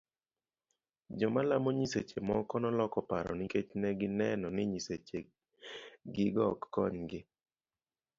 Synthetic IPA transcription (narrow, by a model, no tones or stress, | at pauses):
d͡ʒɔmalamoɲiset͡ʃemɔkɔnɔlɔkɔpaɾɔ̰nɪket͡ʃnɛɡɪnɛnɔnɪɲiset͡ʃe | ɡɪɡɔkːɔɲɡɪ